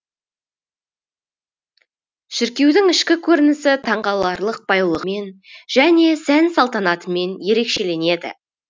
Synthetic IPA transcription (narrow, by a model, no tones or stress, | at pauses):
ʃɪɾkʲe̞wd̪ɪŋɪʃkʲɪkʲʰɵɾɪnɪsɪt̪ʰɑɴʁɑlˠɑɾlˠəq̚b̥ɑjlˠəʁme̞nʒ̥æne̞sænsɑlˠt̪ɑnɑt̪əme̞nje̞ɾe̞kʃe̞le̞ne̞d̪ɪ̰